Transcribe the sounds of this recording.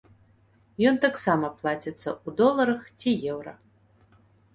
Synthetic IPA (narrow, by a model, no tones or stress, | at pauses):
jɔnt̪aksamɐplˠat͡sʲɛt̪sːɐʔud̪ɔlˠɐɾɐxt͡sʲijɛwɾɐ